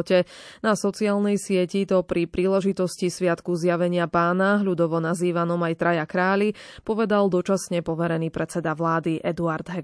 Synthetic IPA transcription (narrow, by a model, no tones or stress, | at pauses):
cɛnasɔt͡siaːlnɛjsɪɛcit̪ɔpɾipɾiːlɛʒit̪ɔscisʋɪat̪kuzjaʋɛɲɪapaːnaɦʎud̪ɔʋɔnaziːʋanɔmajt̪ɾajakɾaːʎipɔʋɛd̪ald̪ɔt͡ʃasɲɛpɔʋɛɾɛniːpɾɛt͡sɛd̪aʋlaːd̪iʔɛd̪uaɾd̪ɦɛ